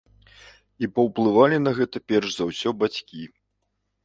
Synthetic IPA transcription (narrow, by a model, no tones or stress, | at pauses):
ipɐwplˠɨvalʲinɐɣɛt̪ɐpʲɛrʂzawsʲɔbat͡sʲkʲi